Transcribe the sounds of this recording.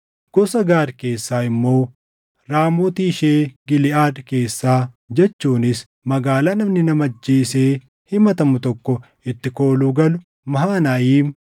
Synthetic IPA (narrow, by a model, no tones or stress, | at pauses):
ɡ̥ɔsɐɡaːɾke̞ːsːaːɪmːo̞ː | ɾaːmoːt̪iːʃeːɡɪlɪʔaːd̪ke̞ːsːaː | d͡ʒɛt͡ʃːuːnɪs | mɐɡaːlaːnɐmnɪnɐmɐd͡ʒːeːseː | hɪmɐt̪ɐmʊt̪ɔkːɔ | ɪt̪ːɪkoːluːɡɐlʊ | mɐɦaːnaːjiːm